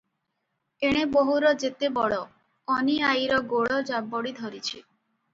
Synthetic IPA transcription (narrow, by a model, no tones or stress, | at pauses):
eɽ̃eboɦuɾɔd͡ʒet̪ebɔɭɔ | ɔniajɾɔɡoɭɔd͡ʒabɔɽid̪ʱɔɾit͡ʃʰi